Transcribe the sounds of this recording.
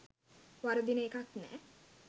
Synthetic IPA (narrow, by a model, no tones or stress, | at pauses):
ʋaɾud̪inəekaknæ̰ː